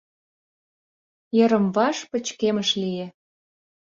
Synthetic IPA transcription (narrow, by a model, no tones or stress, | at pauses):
jə̆ɾə̆mvɑʃpə̆t͡ɕkemə̆ʃlije